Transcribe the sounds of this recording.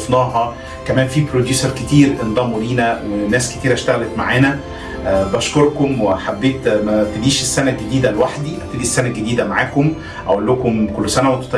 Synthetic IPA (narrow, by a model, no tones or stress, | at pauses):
fnɑːɦɑ | kæmæːnfipɾod̪juːsæɾˤket̪iːɾʔend̪ˤɑːmoɾiːnæwenːæːsket̪iːɾæʃt̪æɣælet̪maʕaːnæ | bæʃkoɾˤkomweħabːeːt̪mæt̪ed̪iːʃesːænæɡed̪iːd̪ælwaħd̪iʔæb̚t̪ed̪isːænæɡed̪iːd̪æmaʕaːkom | ʔæ̰ʔolːokomkolːsænæwent̪o̥t̪ˤɑ